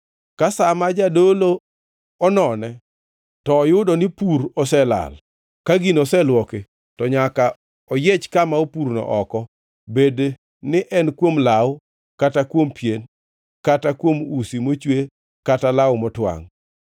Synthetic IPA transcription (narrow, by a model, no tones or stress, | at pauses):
kasamad͡ʒadolo | ɔnɔnɛ | tɔːjʊdɔnɪpuɾɔsɛla̰l | kaɡinɔsɛlwɔke | tɔɲaka | ɔjet͡ʃkamaopuɾnɔ̰ʔɔkɔ | bedː | ɪʔɛnkwomlaw | katakwompjen | katakwomusimot͡ʃwe | katalawmɔtwa̰ŋ